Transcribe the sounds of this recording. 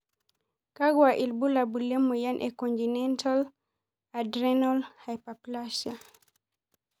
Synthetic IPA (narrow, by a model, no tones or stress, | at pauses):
kaɡwaʔilbulabulːɛmɔjanʔɛkɔntinɛntal | adɾɛnɔlhajpaplaʃa